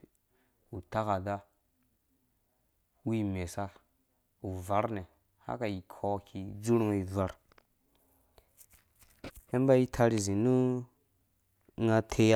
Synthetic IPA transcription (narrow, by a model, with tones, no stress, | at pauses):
u˨ta˦ka˨da˦ | wi˦me˨sa˦ | u˨va˨˦ɾne˨ | ha̰˦ka˨ji˨kʰo˦kʰi˨d͡ʒu˦ɾŋ˦i˨zʷa˦ɾ | he˦m˦ba˦ji˦tʰa˦ɾi˨zi˨nu˦ | ŋa˦tʰe˦a˦